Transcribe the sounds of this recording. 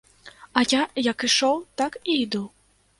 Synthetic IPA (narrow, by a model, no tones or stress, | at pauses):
ajajɐkiʂɔwt̪akiid̪uw